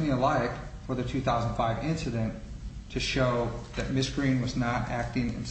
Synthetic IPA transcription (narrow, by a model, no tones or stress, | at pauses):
niəlaɪkfə˞ðɨtʰʉθaʊzn̩d̥faɪvɪ̃nsɨɾɨ̃n | tʰɨʃoʊðɨt̚mɪsɡ̥ɹĩnwʌznəɾæk̚tɪ̃ŋɨ̰̃ns